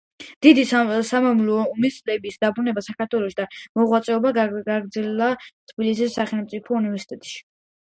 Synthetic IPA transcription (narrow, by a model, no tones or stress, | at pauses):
d̪̥id̪isamamlmisʼlɛbisd̪abɾunɛbasakaɾt̪ʰwɛlˠɔʃid̪amɔʁwat̪sʼɛɔbaɡaɡɾd̪zɛlat̪ʰbilis̬isːaχɛlˠmt̪sʼipʰɔunivɛɾsi̥t̪ʼɛt̪ʼʃi̥